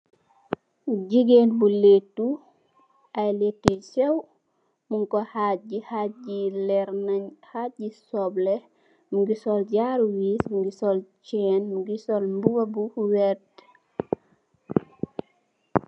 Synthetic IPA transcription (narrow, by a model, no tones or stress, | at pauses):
ɟiɡenbuletːu | ʔajletːisɛw | muŋkɔhaɟihaɟilɛɾnaɲhaɟisɔblɛ | muɡisɔlɟaɾuwismɡisɔlt͡ʃɛːnmuɡisɔlmbuɡobuwɛt